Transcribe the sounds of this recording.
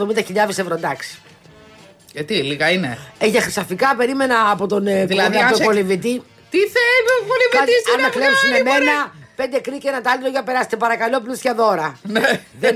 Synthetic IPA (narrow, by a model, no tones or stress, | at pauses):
omind̪ɐçiʎɐvisevɾond̪ɐksi̥ | ʝɐt̪iliɣɐineeʝɐxɾisɐfikɐpe̞ɾime̞nɐːpo̞t̪onlɐɐt̪okolivit̪i | t̪iθelokolivisɐnmɐklepsumeme̞nɐpe̞nd̪e̞kɾicenɐt̪ɐliɾoʝɐpe̞ɾɐse̥t̪epɐɾɐkɐlo̞plusçɐðo̞ɾɐneðe